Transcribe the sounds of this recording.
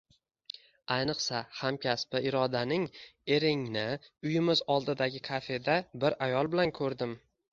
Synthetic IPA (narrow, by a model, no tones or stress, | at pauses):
ajnɨqsahamkʲʰaspɪʔɪɾɒd̪anɪŋe̞ɾɪŋnɪʊjɪmɪzɒlˠd̪ɪd̪aɡʲɪkʰafe̞d̪abɪɾajɒlˠbɪlankʰɵɾd̪ɪm